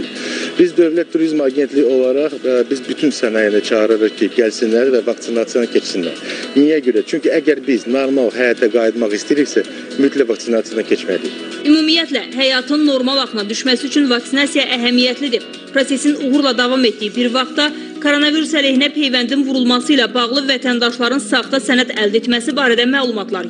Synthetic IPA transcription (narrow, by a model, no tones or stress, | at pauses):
b̥izd̪øvlæt̪ʰːuɾizmɑɟe̞nt̪ʰliço̞lˠɑɾɑχbizbyt̪ʰynsænɑjænit͡ʃʰɑɣɾɯɾɯχcʰiɟælsinlæɾvævɑkt̪sinɑt̪sijɑnɯcʰe̞t͡ʃsinlæ̰ɾd̪ynijæɟøɾæt͡ʃʰyɲciæɟæɾbiznoɾmɑlˠɦæjɑt̪̚ʰd̪æɡɑjid̪mɑχist̪iiɾiçsæ | myt̪ʰlævɑkt̪sinɑt̪sijɑnɯcʰet͡ʃmæd̪iç | ymumijæt̪læɦæjɑt̪ʰɯnːo̞ɾmɑlˠɑxɯnɑd̪yʃmæsiyt͡ʃʰynvɑksinɑsijɑʔæɦæmijæt̪lid̪i | pʰɾo̞se̞sinuɣuɾlˠɑd̪ɑvɑme̞t̪̚d̪ijbiɾvɑχt̪ːɑ | kʰoɾonɑviɾusælehinæpʰe̞jvænd̪invuɾulˠmɑsɯilæbɑʁlˠɯvæt̪ʰænd̪ɑʃlˠɑɾɯnsɑʁd̪ɑsænæt̪æld̪et̪mæsibɑːɾæd̪æmæːlˠumɑt̪ʰlˠɑɾ